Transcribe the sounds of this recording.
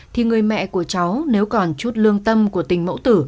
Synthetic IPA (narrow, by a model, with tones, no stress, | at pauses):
t̪ʰi˨˩ŋɨ˨˩əjmɛ̰˧˨ku˧˩ət͡ɕa˨˦wne˨˦wkɔ˨˩nt͡ɕu˦˥t̚lɨ˧əŋt̪ə˧mku˧˩ət̪ï˨˩ŋ̟mo̰˧˥wt̪ɨ˧˩